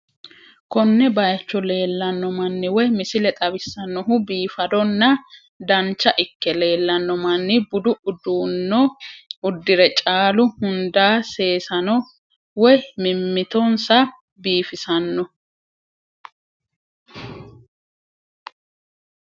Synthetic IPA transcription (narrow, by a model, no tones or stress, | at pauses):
kɔnːɛbɐjɐt͡ʃːɔle̞ːlːɐnːɔmɐnːɪwɔjmɪsɪlɛt̪ʼɐbɪsːɐnːɔɦʊbiːfɐd̪ɔnːɐ | d̪ɐnt͡ʃːɐʔɪkːɛle̞ːlːɐnːɔmɐnːɪbʊd̪ʊʊd̪uːnːɔʊd̪ːɪɾɛt͡ʃʼaːlʊhʊnd̪aːse̞ːsɐnɔ | wɔjmɪmːɪt̪ɔnsɐ | biːfɪsɐnːɔ